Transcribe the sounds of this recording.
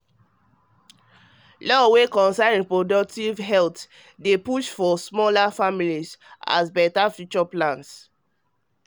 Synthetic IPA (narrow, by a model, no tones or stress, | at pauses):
lɔwekɔ̃nsãñpɹodɔk̚tivɦɛlt | depuʃfɔsmɔlafamilisa̰sbɛtafjut͡ʃɔplãns